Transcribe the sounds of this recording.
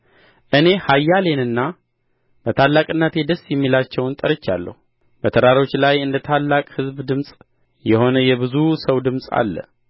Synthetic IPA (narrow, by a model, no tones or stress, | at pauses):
ʔɨne̞hajːale̞nɨnːa | b̥ət̪ʰalːakʼɨnːat̪ʰjed̪əsjɛmːilat͡ʃːɛwnt̪ʼəɾət͡ʃːa̰lːə̰hu | b̥ət̪ʰəɾaɾo̞t͡ʃːlajɨnd̪ət̪ʰalːakʼhɨzbd̪ɨmsʼ | jɛho̞nəjɛbɨzusəwd̪ɨmsʼa̰lːə̰